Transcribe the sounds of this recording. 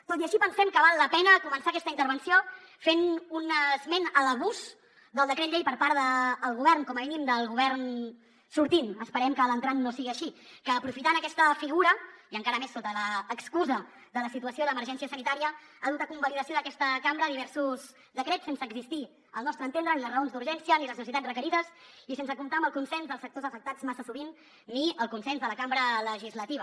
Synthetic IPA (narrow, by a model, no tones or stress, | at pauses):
t̪ot̪iəʃipənsɛmkəβalˠːəpɛnəkumənsaəkɛst̪əint̪əɾβənsio | fenunəzmɛnələβuz | d̪əlˠd̪əkɾet̪ʎejpəɾpaɾðəːlˠɣuβɛrŋkɔməminimd̪əlˠɣuβɛrn | suɾt̪inəspəɾɛmkələnt̪ɾanːosiɣiəʃikəːpɾufit̪anəkɛst̪əfiɣuɾəiəŋkaɾəmesːot̪ələːkskuzə | d̪ələsit̪uəsioðəməɾʒɛns̬iəsənit̪aɾiəaðut̪əkumbəliðəsioðəkɛst̪əkambɾəðiβ̞ɛɾsuz | d̪əkɾɛtt͡ssensəːɡzist̪i | əlˠnɔst̪ɾənt̪end̪ɾəniləzrəonzd̪uɾʒɛnsijəniləznəs̬it̪ad͡zrəkəɾiðəs | isensəkumt̪aəmbəlˠkunsɛnzðəlsək̚t̪ozəfək̚t̪ad͡zmasəsuβinː | iəlˠkunsɛnzðələkambɾələʒizlət̪iβə